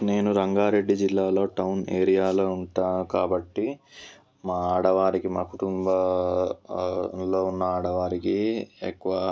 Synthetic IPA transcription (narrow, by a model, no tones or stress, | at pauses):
ne̞ːnuɾɐŋɡaːɾe̞ɖːid͡ʒilːaːlo̞ːʈɐwnḛːɾijaːlo̞ːuɳʈaːnukaːbɐʈːi | maːaːɽɐʋaːɾikimaːkuʈumbɐ | lo̞ːunːɐaːɽɐʋaːɾikiḛkːuʋɐ